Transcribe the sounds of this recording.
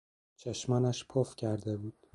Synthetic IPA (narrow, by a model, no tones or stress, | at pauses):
t͡ʃʰeʃmænæʃpʰofcʰæɾd̪ebuːd̪̥